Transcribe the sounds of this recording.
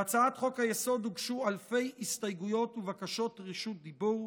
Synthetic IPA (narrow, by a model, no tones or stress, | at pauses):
at͡saat̪χo̞khajeso̞d̪uɡʃualfe̞jistajɡujo̞tuvakaʃo̞tʁiʃut̚d̪ibuʁ